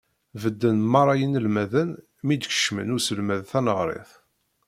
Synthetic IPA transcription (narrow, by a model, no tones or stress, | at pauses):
vəd̪ːənmɑɾˤɑjənəlmæðən | mid̪çə̥ʃmə̰nusəlmæðθænəʁɾˤḛθ